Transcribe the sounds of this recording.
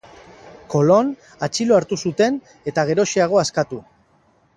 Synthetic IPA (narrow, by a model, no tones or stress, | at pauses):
ko̞lo̞n | at͡ʃiloaɾt̪usut̪e̞n | e̞t̪aɣ̞e̞ɾo̞ʃiaɣ̞o̞askat̪u